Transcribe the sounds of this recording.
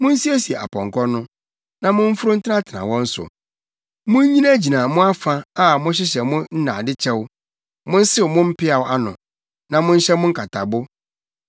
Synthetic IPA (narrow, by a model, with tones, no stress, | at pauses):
mʊ̃˦n̩˦si˦æ˦si˨ɛ˨ʔa̰˨pʰɔ̃˨ŋ˨kʰɔ˦nʊ̃˦ | nã˨mʊ̃˦m̩˦fʊ˦ɾʊ˦n̩˦tʰɪ˦nã˦tʰɪ˨nã̰˨wɔ̃˦n̩˦sʊ̰˨ | mʊ̃˦ɲĩ˦na˦d͡ʑi˨nã˨mʊ̃˦a˦fa˦a˦mʊ̃˦ɕ̬ɪ˦ɕ̬ɛ˨mʊ̃˦n̩˦nã̰˨dɪ˦t͡ɕʰɛ˦w | mʊ̃˦n̩˦sɪ˦˨mʊ̃˦m̩˦pʰɪ˦a˨wʔa˦nʊ̃˨ | nã˨mʊ̃˦n̩˦ɕɛ˦mʊ̃˦ŋ̩˦kʰa˨tʰa˨bʊ˦